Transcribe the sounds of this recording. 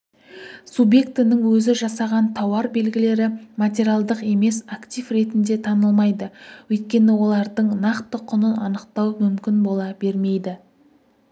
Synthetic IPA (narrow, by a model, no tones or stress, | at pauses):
subje̞kt̪ɪnɪŋwɵzɪʒɑsɑʁɑnt̪ʰɑwɑɾbe̞lɡʲɪle̞ɾɪmat̪ʲe̞ɾʲialˠd̪əqe̞me̞sakt̪ʲijvɾe̞t̪ɪnd̪e̞t̪ʰɑnəlˠmɑjd̪əwɵjt̪̚kʲe̞nɪwo̞lˠɑɾd̪əɴnɑqt̪əqʰʊnəɑnəqt̪ɑwmʏmkʲɪnbo̞lˠɑbe̞ɾme̞jd̪ɪ